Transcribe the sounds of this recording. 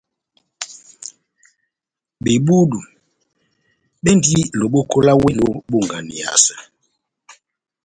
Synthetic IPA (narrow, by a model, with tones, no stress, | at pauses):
ɓe˨ɓu˦du˨ | ɓɛ˦ndi˦lo˨ɓo˦ko˦la˦we˦lo˨˦ɓu˦˨ŋɡa˨ni˨a̰˨sḁ˨